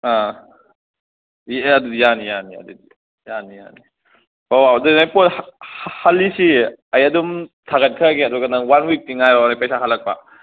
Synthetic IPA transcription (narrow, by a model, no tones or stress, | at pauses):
a | jɐdudijanijaniɐ̰dudi | janija̰ni | wawadenajpohhalːisiɐjɐdumtʰaɡɐt̚kʰɐɡeɐduɡɐnɐŋwanwik̚tiŋajɾanajpɐjsaɦalːɐk̚pɐ̰